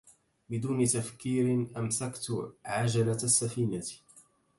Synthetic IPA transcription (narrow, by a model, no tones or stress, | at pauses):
bɪd̪uːnɪt̪afkiːɾɪnʔamsakt̪ʕad͡ʒalaasːafiːnat